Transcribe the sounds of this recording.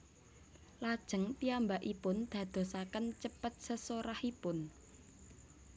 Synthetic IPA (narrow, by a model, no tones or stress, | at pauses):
lad̥ʒ̥ə̤ŋt̪iambaʔipʊnd̪̥ä̤d̪̥o̤sakənt͡ʃəpət̪̚səsoɾahipʊn